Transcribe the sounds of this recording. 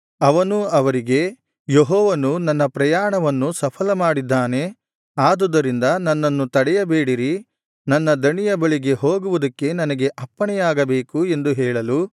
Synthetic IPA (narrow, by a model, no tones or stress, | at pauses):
ɐʋɐnuɐʋɐɾiɡe̞ | jeɦɔːʋɐnunɐnːɐpɾɐjaːɳɐʋɐnːusɐpʰɐlɐmaːɽid̪ːaːne̞ | aːd̪ud̪ɐɾind̪ɐnɐnːɐnːut̪ɐɽɛjɐbeːɽiɾi | nɐnːɐd̪ɐɳijɐbɐɭiɡe̞ɦoːɡuʋud̪ɐkːe̞nɐnɐɡe̞ʔɐpːɐɳɛjaːɡɐbe̞ːkue̞nd̪uɦɛːɭɐlu